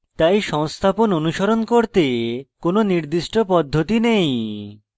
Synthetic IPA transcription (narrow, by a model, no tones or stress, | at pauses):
t̪ajʃɔŋst̪ʰapononuʃoɾonkoɾt̪ekononiɾd̪iʃʈopɔd̪ʱːot̪inej